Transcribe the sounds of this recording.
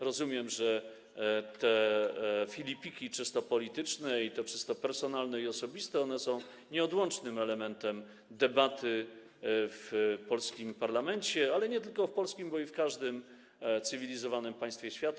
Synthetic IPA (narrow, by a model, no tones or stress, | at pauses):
ɾɔzumʲjɛmʐɛ | t̪ɛ | fʲilʲipʲikʲit͡ʂɘst̪ɔpɔlʲit̪ɘt͡ʂnɛit̪ɛt͡ʂɘst̪ɔpɛɾsɔnalnɛiɔsɔbʲist̪ɛɔnɛsɔ̃w̃ | ɲɛɔd̪wɔnt͡ʂnɘmɛlɛmɛnt̪ɛm | d̪ɛbat̪ʰɘ | fpɔlskʲimpaɾlamɛnt͡ɕɛalɛɲɛt̪ɘlkɔfpɔlskʲimbɔifkaʐd̪ɘm | t̪sɘvʲilʲizɔvanɘmpaj̃st̪fʲjeɕfʲjat̪